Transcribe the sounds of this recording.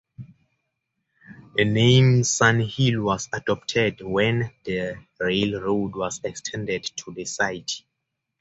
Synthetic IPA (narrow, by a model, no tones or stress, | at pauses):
ðənẽmsãnhilwɔsadɔp̚tʰɛdwɛ̃nðə | ɹelɹodwɔzɛkstʰɛ̃ndɛdtʰuðəsajt